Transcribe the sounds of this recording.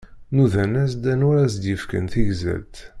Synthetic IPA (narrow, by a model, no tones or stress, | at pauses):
nuðænæsd̪ænʊɾæsd̪jəfkə̰nθiʝzæ̰lt̪